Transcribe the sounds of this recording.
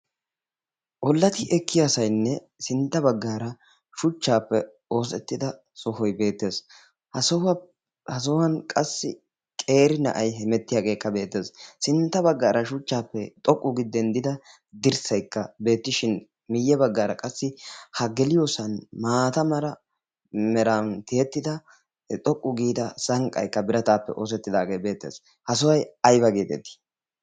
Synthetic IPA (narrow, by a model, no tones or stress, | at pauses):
ʔɔlːɐt̪ɪʔɛkʰːɪjasɐjnːɛ | sɪnt̪ːɐbɐɡːaːɾɐ | ʃʊt͡ʃːaːpːɛ | o̞ːsɛt̪ːɪd̪ɐ | sɔhɔjbe̞ːt̪ːe̞ːs | hɐsɔh | hɐs̬ɔwɐnkʼɐsːɪ̰ | kʼe̞ːɾɪnɐ̰ʔɐjɦɛmɛt̪ːɪjaːɡe̞ːkːɐbe̞ːt̪ːe̞ːssɪnt̪ːɐbɐɡːaːɾɐʃʊt͡ʃːaːpːɛt̪ʼɔkʼːʊɡɪd̪ːɛnd̪ɪd̪ɐ | d̪ɪɾsɐjkːɐbe̞ːt̪ːɪʃɪn | mɪjːɛbɐɡːaːɾɐkʼɐsːɪhɐɡɛlɪjoːsɐnmaːt̪ɐmɐɾɐ | mɛɾant̪ɪjɛt̪ːɪd̪ɐ | t̪ʼɔkʼːʊɡiːd̪ɐsɐŋkʼɐ̰jkːɐbɪɾɐt̪aːpːɛ̰ʔoːs̬ɛt̪ːɪd̪aːɡejbe̞ːt̪ːḛːs | hɐsɔwɐjɐjbɐɡeːt̪ɛ̰t̪ːi̥